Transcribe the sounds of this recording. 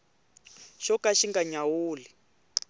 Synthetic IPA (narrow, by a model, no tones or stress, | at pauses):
ʃɔkaʃiŋɡaɲawuːli